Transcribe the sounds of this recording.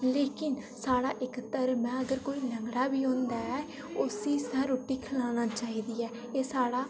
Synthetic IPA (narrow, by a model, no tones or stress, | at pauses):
leːkɪnsaːɽaːʔɪkt̪əɾmɛ̃ːəɡəɾkoːiːnəŋɡɾaːbiːõːnd̪aːɛː | ʊsiːsãːɾoːʈːiːkʰɪlaːnaːt͡ʃaːɦiːd̪iːɛː | eːsaːɽaː